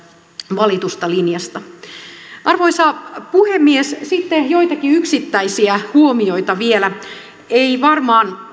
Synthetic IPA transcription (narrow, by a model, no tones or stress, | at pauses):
ʋɑlit̪ust̪ɑlinjɑst̪ɑ | ʔɑrʋoisɑːpuhemːiessit̪ːejo̞jt̪ɑkiyksit̪ːæisiæhuomio̞jt̪ɑʋielæ | eiʋɑrmɑːn